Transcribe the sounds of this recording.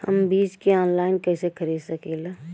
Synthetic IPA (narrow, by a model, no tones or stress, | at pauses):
hə̰mbiːd͡ʒkeɔːnlaːɪnkɛɪsekʰəɾiːd̪səkeːla